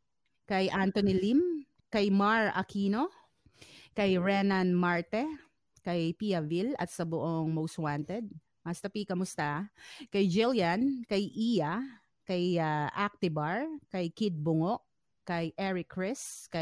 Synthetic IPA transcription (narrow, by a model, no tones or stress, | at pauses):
kɐjʔant̪onilim | kɐjmaɹɐ̰kiːno | kɐjɹɛnanmaɹt̪ɛ | kɐjpijɐvilɐ̰t̪sɐbʊʔoŋmowst̪want̪ɛd̪̚ | mɐst̪ɐpikɐmʊst̪akɐjd͡ʒɪljankɐjʔija | kɐjaʔak̚t̪ɪbaɹkɐjkɪd̪̚bʊŋoʔ | kɐjʔɛɹɪkɹɪskɐ